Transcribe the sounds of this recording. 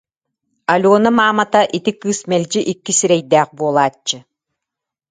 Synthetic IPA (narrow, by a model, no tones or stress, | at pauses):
alʲuːnamaːmat̪aʔit̪ikɯːsmɛlʲd͡ʑiʔikːisiɾɛjd̪æːχbuɔlˠaːt͡ɕːɯ